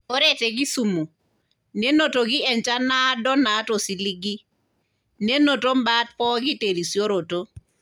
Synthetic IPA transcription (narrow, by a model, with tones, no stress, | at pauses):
o˦ɾe˦te˨ɡi˦su˨mo˨ | ne˦no˦to˨ɡi˦ɛ˨nt͡ʃa˦na˦dɔ˦na˨˦to˨si˨li˦ɡi˦ | ne˦no˨to˦mbaː˦t̚pɔː˦ɡi˦te˨ɾi˨sjo˦ɾo˨to˦